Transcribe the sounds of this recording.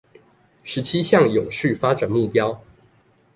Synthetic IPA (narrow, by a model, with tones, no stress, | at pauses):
ʂɻ̩˨˦˥t͡ɕʰi˦˥ɕjɑ˥˨ŋjʊ˨˩ŋʂɻ̩˥˨fa˥ʈ͡ʂa˨˩nmu˥˩pjɑ˥ʊ